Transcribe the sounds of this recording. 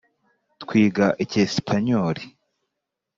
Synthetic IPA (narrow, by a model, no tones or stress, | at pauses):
tkwiːɡaʔecespʰaɲoɾi